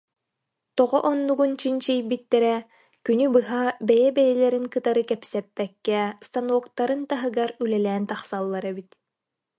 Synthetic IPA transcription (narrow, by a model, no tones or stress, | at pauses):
t̪ɔʁɔʔɔnːuɡunt͡ɕint͡ɕijbit̪ːɛɾɛ | kynybɯɦabɛjɛbɛjɛlɛɾiŋkɯt̪aɾɯkɛpsɛpːɛkːɛst̪anuɔkt̪aɾɯnt̪aɦɯɡaɾylɛlɛːnt̪aχsalˠːaɾɛbit̪